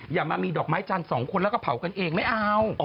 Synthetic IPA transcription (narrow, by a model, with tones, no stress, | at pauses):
jaː˨˩k̚maː˧miː˧dɔː˨˩k̚maː˦˥jt͡ɕa˧nsɔː˩˦ŋkʰo˧nlɛː˦˥kɔ˥˩pʰa˨˩˦wka˧nʔeː˧ŋma˥˩jʔa˧w